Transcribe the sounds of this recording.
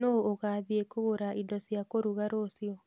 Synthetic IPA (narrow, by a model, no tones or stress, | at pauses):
nooɣaːðiekoɣoɾaindɔsjakoɾuɣaɾosiɔ